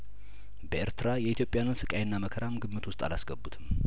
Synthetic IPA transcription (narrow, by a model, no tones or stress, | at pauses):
bəeɾt̪ʰɨɾajɛʔit̪ʰjo̞pʼjanɨnsɨkʼajɪnːaməkʰəɾamɡɨmːɨt̪ʰwʊst̪ʼa̰lasɡəbːut̪ʰɨm